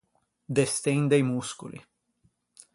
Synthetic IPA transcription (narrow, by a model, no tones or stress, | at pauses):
d̪est̪ejnd̪ejmuskṵlḭ